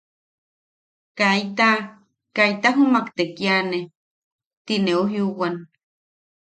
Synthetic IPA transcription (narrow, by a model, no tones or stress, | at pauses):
kajt̪a | kajt̪aɦumakt̪ekiane | t̪ineoɦjuwan